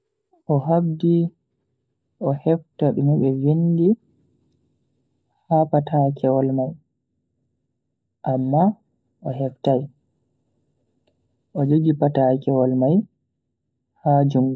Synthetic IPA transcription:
ʔɔɦabdi | ʔɔhɛftaɓɛmɛɓɛwindi | hapatʰakʰɛwɔlmaj | ʔamːa | ʔɔɦɛftaj | ʔɔd͡ʒoɡipatakɛwɔlmaj | had͡ʒuŋɡu

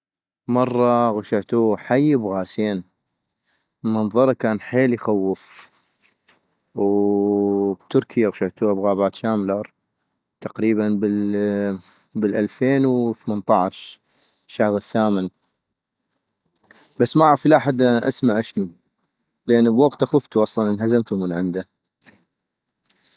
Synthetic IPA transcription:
mɑrˤːɑɣaʃaʕt̪uːħajːbɣaːseːn | mɑnðˤɑɾˤɑkaːnħeːljxawːɪf | w | bt̪ʊɾkʰɪjaɣʃaʕt̪uːabɣaːbaːt̪ʃaːmlɑɾˤ | t̪aqɾiːbanbɪl | bɪlʔalfeːnwθmant̪ˤɑʕʃ | ʃːahɾˤɪθːaːmɪn | basːmaʔaɾɑflaʔħad̪ʔaʔa̰smaʕʃnu | lʔɪnːəbwaɡt̪ʔaxʊft̪uʔɑsˤlɑnənɦazamt̪umənʕɪnd̪a

